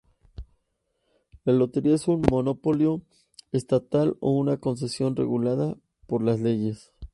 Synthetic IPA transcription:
lalo̞t̪e̞ɾiae̞sunmo̞no̞po̞ljo̞ | est̪at̪alo̰unako̞ns̬e̞sjo̞nre̞̰ɣulaða | po̞ɾlazle̞ʝe̞s

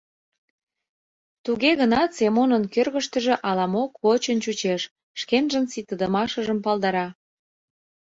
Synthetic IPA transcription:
t̪uɣeɣənɑt̪semonənkørɣə̆ʃt̪ə̆ʒĕʔɑlɑmokβot͡ɕənt͡ɕut͡ɕeʃ | ʃkenʒənsit̪əd̪ə̆mɑʃəʒəmpɑld̪ɑɾɑ

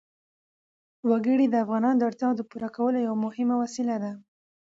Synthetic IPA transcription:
waɡəɽid̪əafɣɑnɑnod̪əaɾt̪jɑd̪əpuɾakawəlojawamʊhɪmawasɪlad̪a

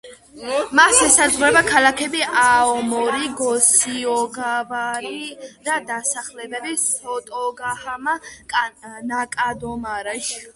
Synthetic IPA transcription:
masɛsazʁɾɛbakʰalakʰɛbiʔaɔmɔɾiɡɔsiɔɡavaɾid̪ad̪asaχlɛbɛbisɔt̪ʼɔɡahama | nakʼad̪ɔmaɾaʃ

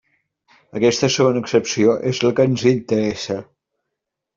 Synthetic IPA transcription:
əkɛst̪əsəɣonəːksəpsioʔezləkənzint̪əɾɛsə

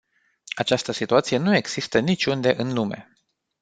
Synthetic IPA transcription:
at͡ʃast̪əsit̪uat̪sije̞nue̞ɡz̥ist̪ənit͡ʃʲund̪e̞ʔɨnlume̞̰

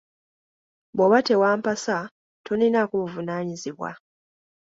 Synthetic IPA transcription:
boβatewaːmpasa | toninakuβuvunaːɲiziβwa̰

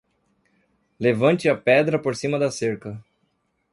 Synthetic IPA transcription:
levɐ̃t͡ʃɪɐpɛd̪ɾɐpoɾsĩmɐd̪ɐseɾkɐ

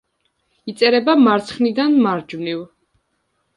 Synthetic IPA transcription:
it̪sʼɛɾɛbamaɾt̪sʰχnid̪anmaɾd͡ʒmniv

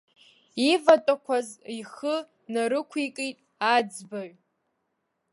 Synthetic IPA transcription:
ivatʼakʷʰaziχə | naɾɨkʷʰikʼitʼ | ad͡zbaɥ

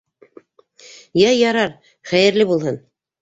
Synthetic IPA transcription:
jæjɑɾɑɾ | χæjɘ̆ɾlɘbulˠhɤn

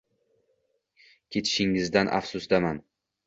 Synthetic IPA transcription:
kʲʰe̞t̪ʰɪ̥ʃɪŋɪzd̪anʔa̰fsʊsd̪aman

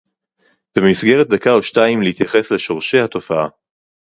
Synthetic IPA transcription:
b̥emisɡeʁet̚d̪akaoʃtaimlehit̪jaχe̞sle̞ʃo̞ʁʃe̞jhato̞faa

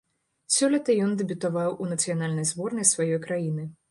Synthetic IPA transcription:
sʲɔlʲɐt̪ɐjɔnd̪ɛbʲut̪avawʔunɐt̪sɨjanalʲnɐjzbɔrnɐjsvajɔjkɾajinɨ

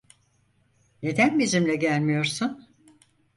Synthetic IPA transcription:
ne̞d̪ænbizimlʲɛɟælʲmijo̞ɾsun

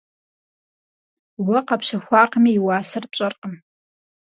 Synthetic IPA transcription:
wɐqɐpʃɐxʷɑːqəmiːwaːsɐrpt͡ʃʼɐrqʼəm

